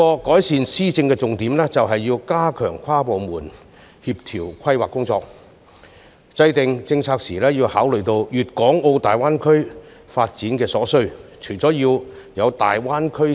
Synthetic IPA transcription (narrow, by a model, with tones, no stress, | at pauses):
ɔː˧kɔː˨˥jsiː˨nsiː˥t͡sɪ˧ŋkɛː˧t͡sʊ˨ŋt̪iː˨˥mlɛː˥t͡sɐ˨wɦɐ˨jːiː˧wkaː˥kʰœː˨˩ŋkʷʰwaː˥po˨wmuː˨˩n | hiː˧p̚t̪ʰiː˨˩wkʷʰɐ˥jwaː˨kːʊ˥ŋt͡sɔː˧k̚ | t͡sɐ˧jt̪ɪ˨ŋt͡sɪ˧ŋt͡sʰaː˧k̚siː˨˩lɛː˥jiː˧wha̰ː˨˥wlɵ˨ɥt̪o˧wjyː˨t̚kɔː˨˥ŋo˧wt̪aː˨jwaː˥nkʰɵ˥ɥ | faː˧t̚t͡siː˨˥nkɛː˧sɔː˨˥sɵ˥ɥt͡ʃʰɵ˨˩jt͡sɔː˨˥jiː˧wjɐ˨˧wt̪a̰ː˨jwaː˥nkʰɵ˥